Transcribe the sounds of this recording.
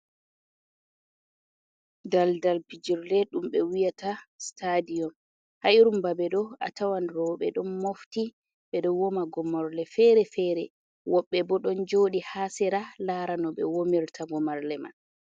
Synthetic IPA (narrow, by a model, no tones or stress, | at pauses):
daldalpid͡ʒiɾlɛɗumɓɛwijatastadijɔm | haʔiɾumbabɛɗɔa̰tawanɾɔɓɛɗɔnːofti | ɓɛɗɔwɔmaɡɔmɔɾlɛfɛɾɛfɛɾɛ | wɔɓːɛbɔɗɔnd͡ʒoɗihasɛɾalaɾanɔɓɛ̰womiɾtʰaɡɔmaɾlɛma̰n